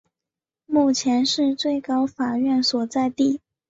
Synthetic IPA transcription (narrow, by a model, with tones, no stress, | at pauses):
mu˥˩t͡ɕʰjɛ˧˥nʂɻ̩˥˧t͡swe˥˩ɪkɑ˥ʊfa˨˩ɥɛ˥˩nswɔ˨˩t͡sa˥˧ɪt̪i˥˩